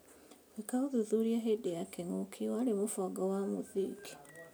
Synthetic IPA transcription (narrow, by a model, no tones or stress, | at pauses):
wekauðuðuɾiaɦedejakeŋukʰiwaɾemofɔɡawamuðiːki̥